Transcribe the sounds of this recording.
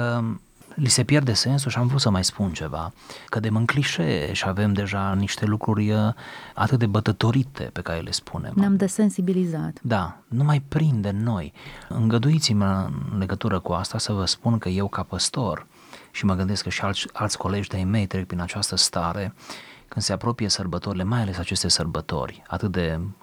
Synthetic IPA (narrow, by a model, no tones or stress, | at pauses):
ə | lise̞pje̞rd̪e̞se̞ns̬uʃiamvɾut̪səmajspunt͡ʃe̞va̰kəd̪e̞mɨŋkliʃḛʃiave̞md̪e̞ʒaniʃt̪e̞lukɾurʲ | a̰t̪ɨt̪̚d̪ebət̪ət̪o̞ɾit̪ʰe̞̰pe̞kaɾe̞̰lʔe̞spʰune̞̰mnamd̪esensibilizat̪d̪anumajpɾind̪e̞mno̞jɨŋɡəd̪uit̪simʲəɨnle̞ɡət̪uɾəkuast̪asəvəspunkəje̞wkapəst̪o̞r | ʃiməɡɨnd̪e̞skəʃialalt̪sʲko̞le̞d͡ʒʲd̪ejme̞jt̪ɾek̚pɾinat͡ʃast̪əst̪aɾe̞kɨnd̪̥se̞apɾo̞pije̞sərbət̪o̞ɾile̞majale̞sat͡ʃe̞st̪e̞sərbət̪o̞̰rʲa̰t̪ɨt̪̚d̪e̞